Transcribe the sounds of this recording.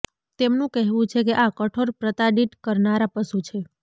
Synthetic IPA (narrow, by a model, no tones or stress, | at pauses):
t̪emnũkɛɦʋũt͡ʃʰekeʔakəʈʰoɾpɾət̪aɖiʈkəɾnaɾapəsut͡ʃʰe